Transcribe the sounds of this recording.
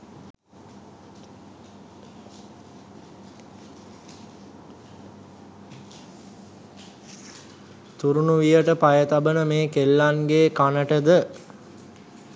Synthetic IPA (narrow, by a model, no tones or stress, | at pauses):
t̪uɾunuʋijəʈəpajət̪abənəmeːkelːanɡeːkanəʈəd̪ə